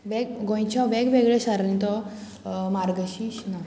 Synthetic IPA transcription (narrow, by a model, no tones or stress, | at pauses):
ʋɛɡɡõj̃t͡ɕaʋɛɡʋeɡɭesaɾĩt̪ɔ | maɾɡəɕiɕna